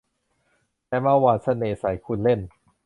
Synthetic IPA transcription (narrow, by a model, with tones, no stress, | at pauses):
t̪ɛː˧ma˧˩waː˧nsa˧neː˨˩sa˨˩˦jkʰu˧nle˥˩n